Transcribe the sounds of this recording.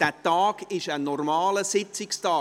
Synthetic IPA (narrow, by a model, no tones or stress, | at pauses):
d̥æːtɑːɡ̥ɪʃənɔrmɑːləsɪt͡sɪkstɑː